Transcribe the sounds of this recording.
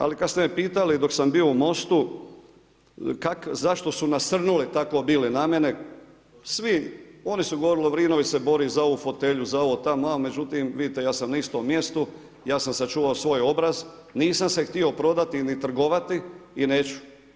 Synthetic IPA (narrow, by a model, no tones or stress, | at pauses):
a̰likad̪st̪emepiːt̪alid̪o̞ksambioumo̞st̪u | kakzaʃt̪o̞sunasr̩nulit̪akoːbiːlinamjene | sʋio̞nisuɡoʋo̞ɾiliʋɾiːnoʋisebo̞ɾizao̞ʋufo̞t̪eʎuzao̞ʋoːt̪amoaome̞d͡ʒut̪imʋid̪it̪ejaːsamnaist̪o̞mːje̞st̪u | jaːsamsat͡ʃuːʋaosʋo̞jo̞bɾaz | niːsamse̞xt̪io̞pɾo̞d̪at̪init̪r̩ɡo̞ʋat̪iːneːt͡ʃu̥